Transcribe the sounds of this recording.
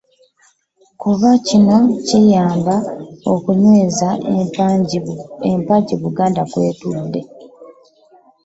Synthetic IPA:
kuβacino̞cijaːmbaokuɲweːza | empaciβuɡaːndakwe̞̰ːtudːe̞

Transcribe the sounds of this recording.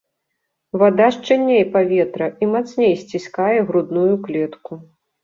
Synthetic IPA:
vad̪aʂt͡ʂɛnʲːejpavʲɛt̪ɾɐimat̪snʲejsʲt͡sʲisʲkajɛɣɾud̪nujuklʲɛt̪ku

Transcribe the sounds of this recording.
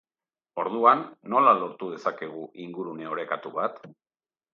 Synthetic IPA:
o̞ɾðuanːo̞lalo̞ɾt̪uð̞e̞sake̞ɣ̞uʔiŋɡuɾune̞o̞ɾe̞kat̪uβat̪

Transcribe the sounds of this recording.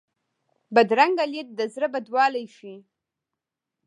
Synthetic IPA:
bad̪ɾaŋɡalet̚d̪azɾɨbadwaːlajʃi

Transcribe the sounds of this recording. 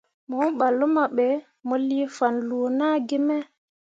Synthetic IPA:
mɔnɓalːumaɓɛ | molːifanlunaɡimɛ

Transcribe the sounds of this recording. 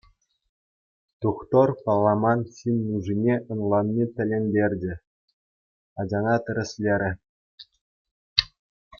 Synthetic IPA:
t̪uχt̪orpɑlˠːɑmɑnɕinʲːuʐinʲeʔɤ̆nlˠɑnːʲit̪ʲɘ̆lʲenʲdʲerʲd͡ʑɘ̆ | ɑd͡ʑɑnɑt̪ʲɘ̆ɾʲɘ̆sʲlʲeɾʲɘ̆

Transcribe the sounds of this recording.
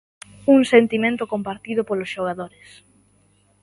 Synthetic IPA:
uŋsent̪imẽnt̪ʊkompaɾt̪iðʊpolosʃoɣ̞aðoɾes

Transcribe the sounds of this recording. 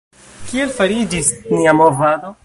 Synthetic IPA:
kielfaɾid͡ʒisniamovado̞

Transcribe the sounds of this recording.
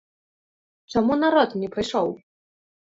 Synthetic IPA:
t͡ʂɔmunaɾɔt̪nʲɛpɾajʂɔw

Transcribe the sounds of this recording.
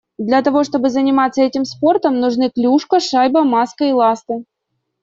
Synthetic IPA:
d̪lʲɐt̪ɐvo̞ʂt̪o̞bɨzənʲɪmat̪sːəɛtʲɪmspo̞rt̪əmnʊʐnɨklʲuʂkəʂajbəmaskəilˠast̪ɨ

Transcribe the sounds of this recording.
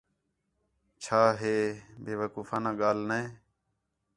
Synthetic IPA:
t͡ʃʰaːɦeːbʱeːʋəːkuːfaːnãːɠaːlneː

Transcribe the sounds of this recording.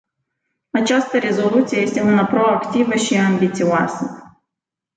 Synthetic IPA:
at͡ʃast̪əɾe̞zo̞lut̪sije̞je̞st̪e̞unəpɾo̞akt̪ivəʃiambit̪sioasə

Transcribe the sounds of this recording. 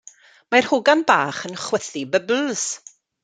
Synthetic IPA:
mar̥hʊɡanba̰ːχənχwɛθibəbl̩ˠs

